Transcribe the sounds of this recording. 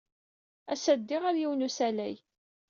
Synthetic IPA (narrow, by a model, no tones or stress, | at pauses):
æsæd̪ːɪʁaɾjiwnusælæ̰j